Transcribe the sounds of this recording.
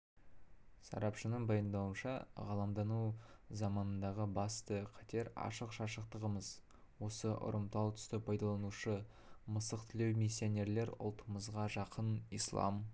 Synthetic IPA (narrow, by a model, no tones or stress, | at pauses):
sɑ̰ɾɑpʃənəɴbɑjənd̪ɑwənʃɑ̰ʁɑlˠɑmd̪ɑnuzɑmɑnənd̪ɑʁəbɑst̪əqʰɑt̪e̞ɾɑ̰ʃəqʃɑʃəq̚t̪əʁəməz | wo̞səʔʊ̰ɾəmt̪ɑlˠt̪ʰʏ̥st̪ɪpʰɑjd̪ɑlˠɑnuʃə | məsəq̚t̪ʰɪle̞wmisːione̞ɾle̞ɾʊ̰lˠt̪ʰəməzʁɑʒɑqʰənijslˠɑ̰m